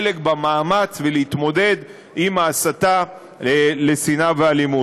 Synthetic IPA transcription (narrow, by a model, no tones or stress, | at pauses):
lekbamaːmat͡sveleit̪mo̞d̪e̞d̪ | imaːsat̪a | le̞sinavealimu